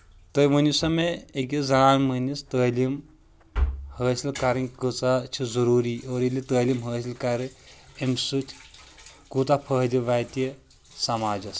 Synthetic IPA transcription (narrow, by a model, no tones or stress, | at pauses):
t̪ɐjmənisɐmeekizɐɾaːnmənist̪əːlim | həːsilkɐɾinʲkɨt͡sat͡ʃʰizɐɾuːɾiːoːɾilʲit̪əːlimɦəːsilkɐɾiemsutʲʰ | kuːt̪apʰəɦd̪iʋaːt̪iji | sɐmaːd͡ʒɐs